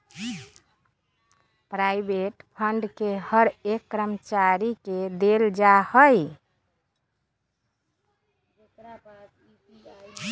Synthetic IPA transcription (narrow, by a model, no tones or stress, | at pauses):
pɾaibeʈpʰəɳɖkehəɾekːɾəmət͡ʃaɾiked̪eld͡ʒahəj | ɾ